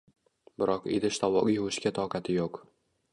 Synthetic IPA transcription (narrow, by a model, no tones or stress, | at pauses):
bɪɾɒqḛd̪ɪʃt̪ʰɒwɒɡʲijʊɪʃkʲat̪ʰɒqɑt̪ʰɪjoq